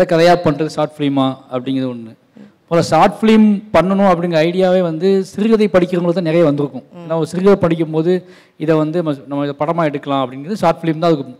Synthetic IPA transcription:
ɐðɐkːɐðɐjaːpɐɳːɾɐðɯsaːʈfliːmaːɐpːɐɽɪŋɡɐðɯɔnːɯ | mʊlɐsaːʈfliːmpɐɳːɐnʊ̃ɐp̬ːɐɽɪnŋɡɾɐɐɪɽɪjaːʋeːʋɐnd̪ɯsɪɾɪɣɐðɐɪpɐɽɪkʲːɪɾɯŋɡɐɭðɯt̪ãːnɛɾɐjɐʋɐnd̪ɯɾɯkːʊ̃eːnːaːɔɾɯsɪɾɪɣɐðɐpɐɽɪk̬ʲːɯmpoːðɯ | ɪðɛʋɐnd̪ɯnɐmːɐnɐmːɐɪðɐpɐɽɐmaːɛɽɯkːɐlãːɐpːɐɽɪŋɡɾɐðɯsaːɾʈfɭiːmt̪ãɐðɯkːɯ

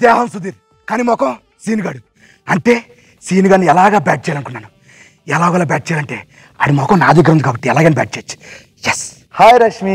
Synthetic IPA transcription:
d̪ɛːɦɐmsud̪iːɾ | kaːnimɔkɐm | siːnuɡaːɽu | ɐɳʈe̞ː | siːnuɡaːnːiɛlaːɡaːbaːʈ̚t͡ʃɛːjalɐnkunːaːnu | ɛlaːɡɐlːaːbaːʈ̚t͡ʃɛːjalɐɳʈe̞̰ː | ɐ̰ɽimɔkɐmnaːd̪ik̬ɾɐund̪ikaːbɐʈːiɛlaːɡeːniba̰ːʈ̚t͡ʃeːt͡ʃːu̥ | jɛs | haːjɾɐʂmi

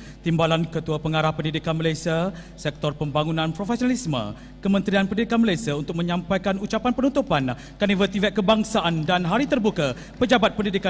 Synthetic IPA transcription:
t̪imbalankət̪uapəŋaɾahpəndidikanməlajsiasɛk̚t̪ɔrpəmbaŋunãnpɾofɛsionalismə̰̃ | kəmə̃nt̪ɾianpəndidikanməlajsiaunt̪ʊk̚mə̃ɲãmpajkanut͡ʃapanpənunt̪upan | kanivət̪ivɛʔ̪̚kːəbaŋsaʔandanɦaɾit̪ərbuka | pəd͡ʒabat̪̚pəndidika

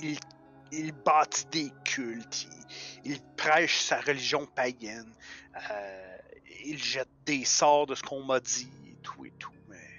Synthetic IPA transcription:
il | ilbɑːt̪i̥d̪eːkʲʰylt̪ʰiilpʁɛːʃsaʁəliʒjɔ̃pajɛnə | ilʒɛt̪̚d̪eːsɑːʁd̪əsə̥kʰɔ̃ːmɐd̪iḛt̪ʰuḛt̪ʰu̥mɛ

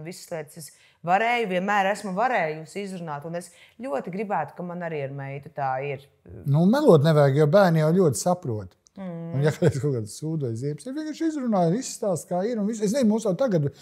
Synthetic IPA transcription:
visslˠiɛt̪ses | vaɾɛːjʊviɛnmæːɾæsmuvaɾɛːjusizɾunaːt̪unes | ʎʲuɔt̪iɡɾibæːt̪ʊ̥kamanaɾiːaɾmɛjt̪ut̪aːiɾ | numɛlˠuɔt̪nɛvæːɡjawbæːɾnijawʎʲuɔt̪ɪ̥sapɾuɔt̪ | unjakad̪eskɔkad̪suːd̪uɔjziɛpsɛʋiɛkaːʃizɾunaːjvisst̪aːskaːiɾunvises̬nɛmuːsjawt̪aɡat̪

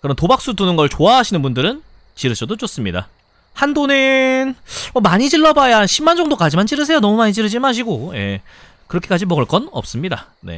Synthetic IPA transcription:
kɯɾʌntobak̚s͈utunɯnɡʌɭt͡ɕoaɦaɕʰinɯnbundɯɾɯn | t͡ɕiɾɯɕʰʌdot͡ɕ͈os͈ɯmɲida̰ | handonɯnʌmaɲit͡ɕiɭːʌbajaɕʰimːand͡ʑʌŋdok͈ad͡ʑimant͡ɕiɾɯs̬ʰe̞jonʌmumaɲid͡ʑiɾɯd͡ʑimaɕ̬ʰiɡoje̞ | kɯɾʌkʰek͈ad͡ʑimʌɡɯɭk͈ʌnʌ̰p̚s͈ɯmɲida | ne̞̰

